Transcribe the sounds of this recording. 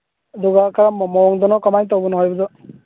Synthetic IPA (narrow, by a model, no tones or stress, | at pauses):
d̪uɡakaɹamɔmɔɔŋd̪ɔnɔkɔmajt̪ɔbunɔɦɔjbudɔ